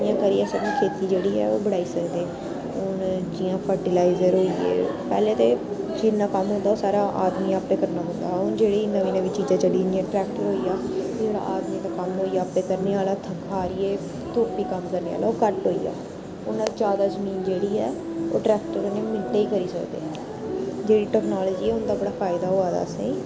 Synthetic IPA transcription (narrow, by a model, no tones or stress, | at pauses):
ɪjãːkəɾiːɛːsəbĩːkʰeːt̪iːd͡ʒeːɽiːɛ̰ːo̰ːbəɽaːiːsəkd̪eː | ʊnd͡ʒɪjãːpʰəɾʈɪlaːɪzəɾɦoːiḛːpɛːlẽːt̪eː | d͡ʒinãːkəmɦʊ̃nd̪aːoːsaːɾaːʔaːd̪miːaːpːẽːkəɾnaːɦʊ̃nd̪aːʊnd͡ʒeːɽeːinəʋiːnəʋiːt͡ʃiːd͡ʒãːt͡ʃəɽiniãːʈɾɛːkʈəɾɦoːiːjaː | oɾa̰ːʔaːd̪miːt̪aːkəmɦoːiːaːpẽːkəɾneːaːlaːt̪ʰəkʰaːɾiːeː | t̪ʊːpiːkəmkəɾneːa̰ːlaːoːkəʈɦoːiːa̰ː | ʊnːãːd͡ʒaːd̪aːzəmiːnd͡ʒeːɽiːɛː | oːʈɾɛːk̚ʈəɾoneːmɪ̃nʈ̪eːiːkəɾiːsə̰kd̪ḛː | d͡ʒeːɽiːʈɛːknaːlɔːd͡ʒiːɛːʊnd̪aːbəɽaːfʰaːɪd̪aːɦoːaːd̪a̰ːəsḛ̃ːiː